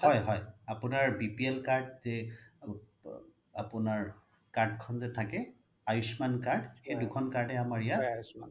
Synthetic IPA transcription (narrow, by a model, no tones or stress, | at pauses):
hɔjɦɔjapʊnaɹbipielkaɹd̚zɛ | apʊnaɹ | kaɹd̚kʰɔnzɛtʰakɛ | ajusmankaɹdxejdʊkʰɔnkaɹdɛamaɹɛja